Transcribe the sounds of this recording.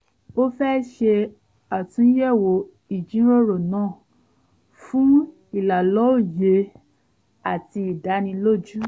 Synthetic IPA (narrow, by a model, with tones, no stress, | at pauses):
o˦fɛ˦ʃe˧ | a˨tũ˨˦jɛ˦˨wo˨˦ | i˦˨d͡ʒĩ˨˦ɾo˦ɾo˨nãː˦˨ | fũ˦ | i˦˨la˨lɔ˨˦o˦˨je˧˦ | a˦˨ti˧i˨da˨˦nĩ˧lo˦˨d͡ʒu˦